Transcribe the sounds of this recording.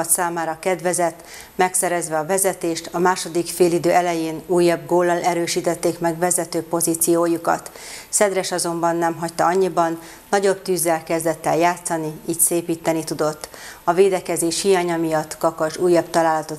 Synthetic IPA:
t̪saːmaːɾɒkɛd̪vɛzɛt̪ː | mɛksɛɾɛzʋɛɒvɛzɛt̪eːʃt̪ɒmaːʃo̞d̪ikfeːlid̪øːʔɛlɛjeːnuːjːɒb̚ɡoːlːɒlɛɾøːʃiːt̪ɛt̪ːeːkmɛɡvɛzɛt̪øːpoziːt̪sijoːjukɒ̰t̪ | sɛd̪ɾɛʃɒzo̞mbɒnːɛmɦɒct̪ɒɒɲːibɒnː | ɒɟo̞bt̪yːzːɛlkɛzd̪ɛt̪ːɛljaːt̪sɒniiːcseːpiːt̪ːɛnit̪ud̪o̞t̪ːɒveːd̪ɛkɛzeːʃhijaːɲɒmijɒt̪ːkɒkɒʒuːjːɒbt̪ɒlaːlɒt̪o

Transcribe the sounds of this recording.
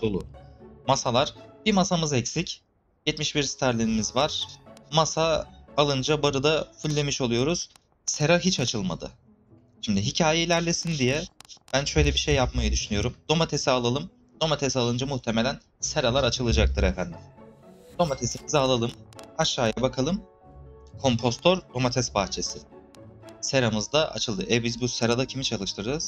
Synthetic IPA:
d̪olˠṵmasalˠaɾ̥b̥iɾmasamɯzɛcsic | jɛt̪miʃbiɾst̪ʰaɾlʲeɾimizvaɾ̥masaːlˠɯnd͡ʒabaɾɯd̪afulʲːe̞miʃo̞lˠujo̞ɾuz̥ | se̞ɾaɦit͡ʃʰat͡ʃʰɯlˠma̰d̪ɯ̰ | ʃimd̪ɪɦicʰaːjeilʲæɾlʲesind̪ijɛb̥ænʃø̞jlʲɛbiʃe̞jːapmajɯd̪yʃynyjo̞ɾumd̪̥o̞mat̪ʰe̞sialˠalˠɯm | d̪o̞mat̪ʰesalˠɯnd͡ʒamuht̪ʰe̞me̞lʲæn | se̞ɾalˠaɾat͡ʃʰɯlˠɯd͡ʒak̚t̪ʰɯɾefænd̪ɪmd̪̥o̞mat̪ʰe̞simizɛalˠalˠɯmaʃːaːjabakʰalˠɯm | kʰo̞mpʰo̞st̪ʰoɾd̪o̞mat̪ʰɛsbaxt͡ʃʰe̞sɪ | seɾamɯzd̪aʔa̰t͡ʃʰɯlˠd̪ɯʔɛbizbuse̞ɾad̪acʰimit͡ʃʰalˠɯʃt̪ʰɯɾɯɾɯz̥

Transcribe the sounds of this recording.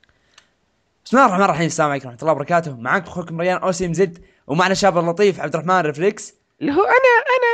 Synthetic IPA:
ɪ̥smlaːrˤːɑħmaːnɾˤrˤɑħiːmɪsːaːmʕiːkɾˤɑːħmt̪ˤlːɑːbɑɾˤɑkaːt̪ʊmaʕakbxuːkmɾˤɑjaːnʔoːsiːmzɪd̪ | wmaʕnaʃaːblɑt̪ˤiːfʕabd̪ɾˤɑħmaːnɾɪflɪks | lɦuːʔanaʔana

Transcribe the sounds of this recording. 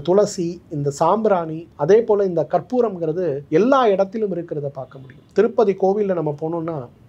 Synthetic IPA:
t̪ʊlɐsiɪnd̪ɐsaːmbɾaːniɐðeːpoːlɐɪnd̪ɐkɐrpuːɾɐmɡɪɾɐðɯɛlːaːɪɽɐt̪ːɪlɯmɪɾɯkːɪɾɐðɐpaːɾkɐmʊɽɪjɯmt̪ɪɾɯpːɐðikoːʋɪlːɐnɐmːɐpoːnoːnːaː

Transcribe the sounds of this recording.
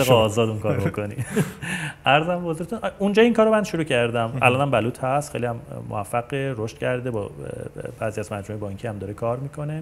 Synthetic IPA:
eɣɛːzɒːd̪unkʰɒːɾobokonḭ | ʔæɾzæmbehozuɾt̪ʰunund͡ʒɒːiŋkʰɒːɾomænʃuɾuːcʰæɾd̪æmʔæ̰lɒːnæmbæluːt̪hæst̪χejlihæmːo̰æfːæɡeɾoʃt̪cʰæɾd̪ebɒ̰b̥æːziæzmæd͡ʒmoejebɒːɲcʰihæmd̪ɒːɾekʰɒːɾmiːkʰo̞ne̞

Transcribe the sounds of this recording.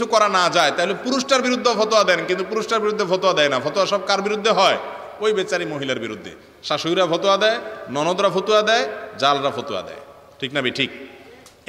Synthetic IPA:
ukɔɾanad͡ʑaet̪aɦolepuɾusʈaɾbiɾud̪ʱːobʱɔt̪oad̪ɛnkint̪upuɾusʈaɾbiɾud̪ʱːebʱot̪oad̪ɛenabʱɔt̪oaʃɔb̚kaɾbiɾud̪ʱːeɦɔe | ojbet͡ɕaɾimoɦilaɾbiɾud̪ʱːḛ | ʃaʃuiɾabʱot̪oad̪ɛenɔnod̪ɾabʱot̪uad̪ɛed͡ʑalɾabʱot̪oa̰d̪ɛ̰e | ʈʰiknabiʈʰik̚

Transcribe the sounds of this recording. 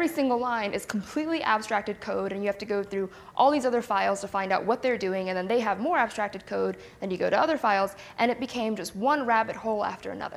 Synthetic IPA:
vɹisɪ̃ŋɡl̩ˠlãɪ̃nʔɨz̥kʰm̩pʰl̥itˡliʔæb̥stɹ̥æk̚tɨd̚kʰoʊɾɨ̃njɨhæftɨɡoʊθɹʉ | ʔɔlˠðizʌðə˞faɪlˠz̥tʰəfãɪ̃ndaʊt̚wʌt̪̚ðə˞dʉɪ̃ŋɨ̃nðɨ̃nðeɪəvmɔɹæb̥stɹ̥æk̚tɨd̚kʰoʊd̪̚ | ðɨ̃njɨɡoʊɾəʌðə˞faɪlˠz | ʔɨ̃ñɨt̚b̥ɨkʰẽɪ̃md͡ʒʌst̚wʌ̃nɹæbɨt̚hoʊlˠæ̰ftə̰˞ɨ̰nʌ̰ðə̰˞

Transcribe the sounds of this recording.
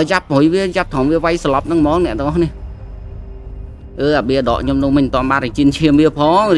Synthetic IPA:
jap̚ːɦojʋiəjap̚t̪ʰɑŋʋiəʋajsɑlɑp̚nɨŋmɑːŋ̚nɛ̆əʔ̪əŋʔɑhniəh | ʔəːʔaɓiəɗɑ̰ːʔkʰɲomnumɨɲt̪ŏənɓaːnat͡ɕiənt͡ɕʰiəmʋiəpʰɑːŋ

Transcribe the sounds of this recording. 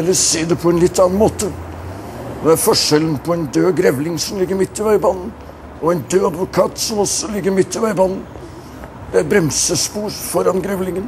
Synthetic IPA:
ɛlːəseːd̪ɛpʰɔɛnlɪt̪ːɑnɑnmoːt̪ə | nɛæɾfɔʂɛlənpʰɔɛɪnd̪øːɡɾɛʋlɪŋsɔmlɪɡːəɾmɪt̪ːɪʋæɪbɑnːən̩ | ɔɛnd̪øːɑd̪ʋʊkʰɑːt̪sɔmɔsɔlɪɡːəɾmɪt̪ːɪʋæɪbɑnːən | d̪̥ɛæɾbɾɛmsəspuːɾfɔɾɑnɡɾɛʋlɪŋən

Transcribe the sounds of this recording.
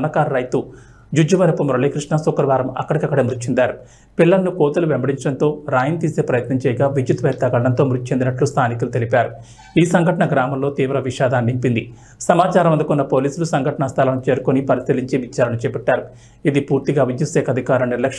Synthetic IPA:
nɐkaːɾɐɾɐjt̪u | d͡ʒud͡ʒɐʋɐɾɐpːumɐɾɐɭeːkɾiʂɳɐsukɾɐʋaːɾɐmɐ̰kːɐɽɐkiɐkːɐɽemɾut̪ːt͡ʃʰːend̪aːɾu | piɭːɐlnukoːt̪uluʋembɐɽiɲt͡ʃɐɽɐnt̪o̞ːɾaːjɐnt̪iːse̞ːpɾɐjɐt̪nɐɲt͡ʃɛːjɐɡaːʋid͡ʒjut̪ʋɛːɾt̪ɐɡɐɭɐɽɐnt̪o̞ːmɾut̪t͡ʃʰend̪inɐʈlust̪ʰaːnikulut̪e̞lipaːɾu | iːsɐŋɡʱɐʈɐɳɐɡɾaːmɐmlo̞ːt̪iːʋɾɐʋiʂaːd̪aːnːimpind̪i | sɐmaːt͡ʃaːɾɐmɐnd̪ukunːɐpo̞ːliːsulusɐŋɡʱɐʈɐɳɐst̪ʰɐlɐnut͡ʃe̞ːɾukonipɐɾisiliɲt͡ʃeʋit͡ʃːaːɾɐnut͡ʃɛːpɛʈːaːɾu | id̪ipuːɾt̪iɡaːʋid͡ʒjut̪sɛːkʰɐd̪ʱikaːɾɐniɾlɐkʂ

